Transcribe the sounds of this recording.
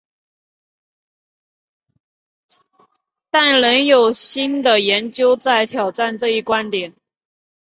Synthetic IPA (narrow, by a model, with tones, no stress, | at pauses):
t̪a˥˩nlə˧˥njo˨˩ʊɕi˥nd̪ə˨jɛ˧˥nt͡ɕjo˥ʊt͡sa˥˩ɪt̪ʰjɑ˨˩ʊʈ͡ʂa˥˧nʈ͡ʂɤ˥˧i˥˩kwa˥nt̪jɛ˨˩˦n